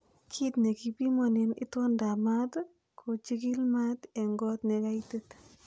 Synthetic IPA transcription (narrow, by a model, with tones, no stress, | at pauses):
kʰi˦tne˨ki˨pi˦mɔ˨ni˨nḭ˦twɔ˦nda˨ma˦t | kʰo˨t͡ʃi˦ki˦lma˦te˨ŋɡɔ˦tne˨ka˦itet